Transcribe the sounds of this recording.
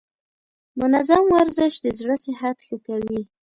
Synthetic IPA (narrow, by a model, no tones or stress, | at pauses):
mʊnazamwaɾzɪʃd̪əzɽəsɪhad̪xəkawi